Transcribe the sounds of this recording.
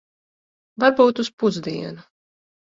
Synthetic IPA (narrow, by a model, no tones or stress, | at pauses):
vaɾbuːt̪uspuzd̪iɛnu